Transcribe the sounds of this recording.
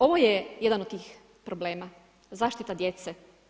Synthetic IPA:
o̞ʋojejed̪anod̪t̪ːiːx | pɾobleːma | zaːʃt̪it̪ad̪jet̪se

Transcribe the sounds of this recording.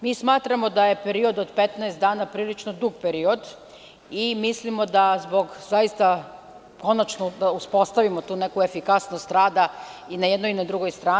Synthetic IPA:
miːsmaːt̪ɾamo̞d̪aje̞peɾio̞d̪od̪pet̪nɛest̪d̪aːnapɾiːlit͡ʃnod̪uɡ̚peɾio̞d̪ | imislimo̞d̪azboɡzaist̪a | ko̞nat͡ʃnod̪auspo̞st̪aʋimot̪uːne̞kuefikasnost̪ɾaːd̪ainajed̪noinad̪ɾuɡojst̪ɾaː

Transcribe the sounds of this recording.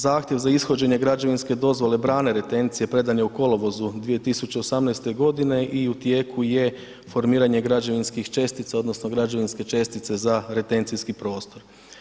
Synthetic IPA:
zaːxt̪ʲje̞ʋzaisxo̞d͡ʑe̞ɲe̞ɡɾad͡ʒeʋinsked̪o̞zʋo̞le̞bɾaːne̞ɾe̞t̪e̞nt̪sije̞pɾe̞d̪anjeuko̞loʋo̞zud̪ʋije̞t̪isut͡ɕe̞osamnajst̪e̞ɡo̞d̪ine̞ʔiut̪je̞ːkʰuje̞ | fo̞ɾmiːɾaɲe̞ɡɾad͡ʒeʋinskixt͡ʃe̞st̪it̪sao̞d̪no̞snoɡɾad͡ʒeʋinske̞t͡ʃe̞st̪it̪se̞zaɾe̞t̪e̞nsijskipɾo̞ːst̪o̞ɾ

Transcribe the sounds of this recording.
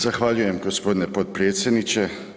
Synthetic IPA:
zaxʋaːʎujɛmɡospoːd̪nɛpot̪̚pɾeːt̪sjɛd̪nit͡ʃɛ

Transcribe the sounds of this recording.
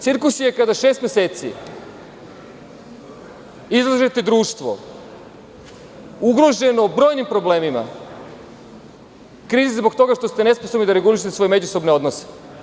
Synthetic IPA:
t̪siɾkusije̞kad̪aʃe̞ːst̪mjeseːt̪sḭ | izlˠaʒet̪ed̪ɾuːʃt̪ʋo̞̰ | uɡɾo̞ʒe̞nobɾo̞ːjnimpɾo̞ble̞ːmima̰ | kɾiːzizbo̞kt̪o̞ɡaʃt̪o̞st̪ene̞sposobnid̪aɾe̞ɡuliʃ̬et̪eso̞jme̞d͡ʑuso̞bneo̞d̪nose̥

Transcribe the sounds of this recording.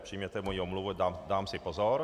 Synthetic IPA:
pr̥iːjmɲɛt̪ɛmojiomluvudad̪aːmsɪpozɔɾ

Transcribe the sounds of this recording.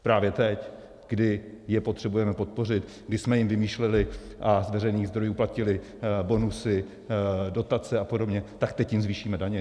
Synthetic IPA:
pɾaːvjɛt̪ɛc | ɡ̥dɪjɛpo̞t̪r̝̥ɛbujɛmɛpot̪̚po̞r̝ɪt̪ | ɡdɪsmɛjɪmvɪmiːʃlɛlɪʔazvɛɾɛjniːɣzd̪ɾo̞juːplacɪlɪ | bo̞nusɪ | do̞t̪at͡sɛapo̞do̞bɲɛt̪akt̪ɛcjɪmzviːʃiːmɛdaɲɛ

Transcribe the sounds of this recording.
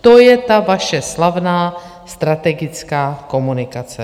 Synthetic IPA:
t̪ojɛt̪avaʃɛslavnaː | st̪ɾat̪ɛɡɪt͡skaːko̞munɪkat͡sɛ

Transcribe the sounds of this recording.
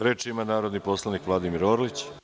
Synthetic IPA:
ɾet͡ʃimanaːɾo̞d̪nipo̞slˠanikʋlˠad̪imiɾoːɾolit͡ɕ

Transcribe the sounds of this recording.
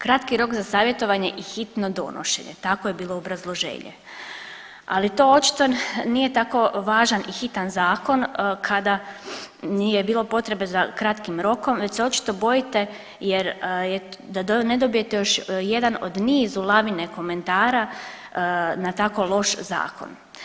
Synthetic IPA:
kɾat̪kiɾo̞kzasaːʋje̞t̪o̞ʋaɲeʔixit̪no̞d̪o̞̰no̰ʃḛɲḛt̪akojebiːlˠo̞obɾazlˠo̞ʒe̞̰ːɲḛ | a̰lit̪o̞ːo̞t͡ʃi̥t̪o̞nije̞t̪ako̞ʋaːʒanʔixit̪anzaːko̞nkʰad̪a | ijebiːlˠo̞po̞t̪ɾe̞be̞zakɾat̪kimɾo̞ko̞mʋe̞t͡ɕseo̞t͡ʃi̥t̪o̞bo̞jit̪e̞ | je̞ɾjed̪ad̪oned̪o̞bije̞t̪ejo̞ʃje̞d̪ano̞d̪niːzulˠaʋine̞ko̞me̞nt̪aːɾa | nat̪ako̞lˠo̞ʃza̰ːko̰n

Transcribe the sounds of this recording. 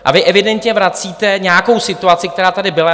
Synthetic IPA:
ʔa̰vɪʔɛvɪdɛnt̪ɲɛvɾat͡siːt̪ɛɲɛjako̞wsɪt̪uat̪t͡sɪk̚t̪ɛɾaːt̪adɪbɪla

